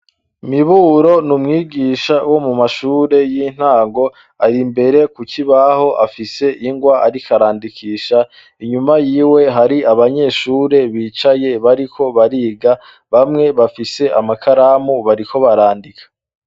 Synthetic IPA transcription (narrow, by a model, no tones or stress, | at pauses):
miβuːɾo̞numŋiːɡiːʃawo̞mumaʃuːɾe̞jin̥haːŋɡo̞ | aɾimbe̞ɾe̞kuciβaho̞ʔafise̞ʔiŋɡwaaɾikʰaɾaːndikiːʃa | iɲumajiːwe̞ɦaɾiaβaɲe̞ːʃuːɾe̞βiːt͡ʃaje̞βaɾikʰo̞βaɾiːɡa | βamŋe̞βafise̞ʔamakʰaɾaːmuβaɾikʰo̞βaɾaːndikʰḁ